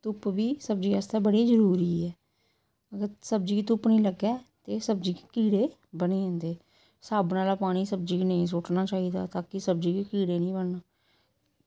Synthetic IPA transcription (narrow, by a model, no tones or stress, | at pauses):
t̪ʊpʋiːsəb̚d͡ʒiːast̪aːbəɽeːzəɾuːɾiːɛː | əɡəɾsəb̚d͡ʒiːkeːt̪ʊpnĩːləɡɛːt̪eːsəb̚d͡ʒiːke̥kiːɽeː | bəneːɛ̃ːnd̪eː | saːbnaːlaːpaːɽ̃iːsəb̚d͡ʒiːkinəĩːs̬oːʈnaːt͡ʃaːiːd̪a̰ːt̪aːkɪsəb̚d͡ʒiːkekiːɽeːnĩːbəɳnaː